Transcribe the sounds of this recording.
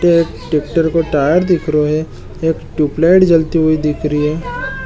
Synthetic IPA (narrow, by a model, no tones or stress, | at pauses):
ʈeeːkʈeːk̚ʈəɾkoʈaːjəɾd̪ɪkʰɾoɦɛ | eːkʈuːplaɪʈd͡ʒɐlt̪iɦoid̪ɪkʰɾiɦɛː